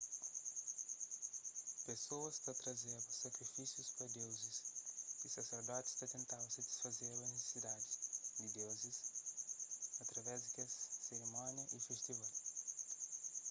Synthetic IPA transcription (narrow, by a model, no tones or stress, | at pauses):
pesoɐst̪ɐt̪ɾɐzeɾsɐkɾifisjuspɾɐd̪ewzɪsisɐseɾd̪ɔt̪ɪ̥st̪ɐt̪ẽnt̪awsɐt̪i̥sfɐzeɾlɐnese̥sid̪ad̪ɪd̪ɪd̪ewzɪs | ɐt̪ɾɐvɛzd̪ikɛsseɾimɔ̃njɐʔifeʃt̪ival